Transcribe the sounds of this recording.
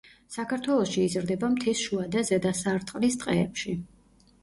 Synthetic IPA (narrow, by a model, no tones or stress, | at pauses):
sakʰaɾt̪ʰwɛlˠɔʃiːzɾd̪ɛbamt̪ʰisʃuad̪azɛd̪asaɾt̪ʼqʼlist̪ʼqʼɛːpʃi